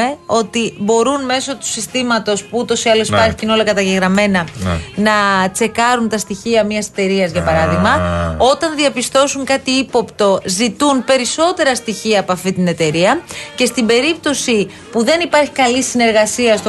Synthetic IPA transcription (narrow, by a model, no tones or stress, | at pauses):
eo̞t̪ibo̞ɾunme̞so̞t̪u̥sist̪imɐt̪o̞spuut̪o̞siɐlo̞sipɐɾçi̥ino̞lɐkɐt̪ɐʝeɣɾɐme̞nɐnɐt͡se̞kɐɾunt̪ɐst̪içiɐmɲɐse̥t̪e̞ɾiɐzʝɐpɐɾɐðiɣmɐo̞t̪ɐnðiɐpist̪o̞suŋkɐt̪iipo̞pt̪o̞zit̪unpe̞ɾiso̞t̪e̞ɾɐst̪içiɐːpoɐft̪int̪ine̞t̪e̞ɾiɐce̞st̪imbe̞ɾip̚t̪o̞si | puðe̞nipɐɾçi̥kɐlisine̞ɾɣɐsiɐst̪o